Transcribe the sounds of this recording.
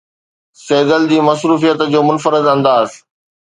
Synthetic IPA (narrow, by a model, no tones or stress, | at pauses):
seːɡ̪əld͡ʑiːmɐsɾuːfijət̪d͡ʑoːmʊnfəɾɪd̪ɐ̃nd̪aːs